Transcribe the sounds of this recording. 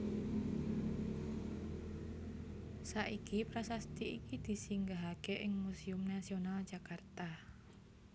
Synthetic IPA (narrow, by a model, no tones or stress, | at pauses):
saʔikipɾasast̪iʔikid̪̥i̤siŋɡaɦaɡ̥ɛʔɪŋmusiʊmnasional̥d͡ʒ̥a̤kart̪a